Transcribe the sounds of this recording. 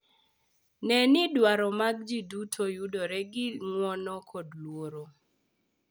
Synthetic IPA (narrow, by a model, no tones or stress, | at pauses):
nɛnɪdwaɾɔmaɡ̚d͡ʒidutʰojudɔɾɛɡɪŋwɔnɔkʰɔdlwoɾo